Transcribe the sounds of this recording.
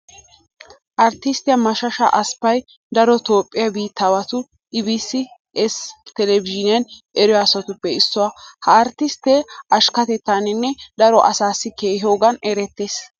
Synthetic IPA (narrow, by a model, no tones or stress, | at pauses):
ʔɐɾt̪ːɪst̪ɪjɐmɐʃɐʃɐ̰ʔɐspːɐj | d̪ɐɾɔt̪o̞ːpʼːɪjɐbiːt̪ʰːɐwɐt̪ʊ | ʔɪbisːɪ | ɛst̪ɛlɛvɪʒɪnɪjɐnʔɛɾʊjasɐt̪ʊpːɛɪsːɔwɐhɐːɾt̪ːɪst̪eːʔɐʃkɐt̪ɛt̪ːaːnɪnːɛd̪ɐɾɔʔɐsaːsːɪkeːɦo̞ːɡɐnɛɾɛt̪ːeːs